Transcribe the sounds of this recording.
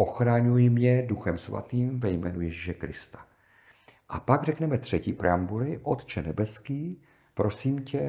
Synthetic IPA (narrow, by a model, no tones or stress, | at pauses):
ʔo̞xɾaɲujɪmɲɛduxɛmsva̰t̪iːmvɛjmɛːnujɛʒiʃɛkɾɪ̰st̪ḁ | ʔapaɡrɛknɛmɛt̪r̝̥ɛciːpɾɛ̰ambulɪʔo̞t̪t͡ʃɛnɛbɛskiː | pɾʔo̞siːmcɛ